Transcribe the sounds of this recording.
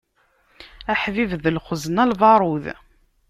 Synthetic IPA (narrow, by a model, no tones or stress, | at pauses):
æħvivðəlχəzənælvɑɾˤuð